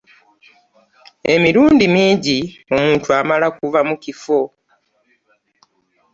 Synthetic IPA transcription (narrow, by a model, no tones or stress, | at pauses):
e̞miɾuːndimiːɟio̞muːntuamalakuvamukifo̞